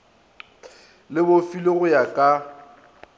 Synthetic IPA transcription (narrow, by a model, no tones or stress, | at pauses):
lɪbofilɪɣʊjakʼa